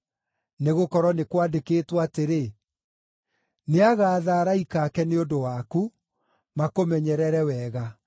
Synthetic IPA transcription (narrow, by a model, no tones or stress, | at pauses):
neɣokɔɾwɔnekwadekeːtwaateɾe | neaɣaːðaːɾaikaːkɛneodowaku | makomɛɲɛɾɛɾɛwɛːɣa